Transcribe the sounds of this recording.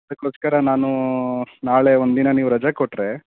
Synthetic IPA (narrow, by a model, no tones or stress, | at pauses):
ɐd̪ɐkːoːskɐɾɐnaːnu | naːɭe̞ond̪inɐniːʋuɾɐd͡ʒakoʈɾe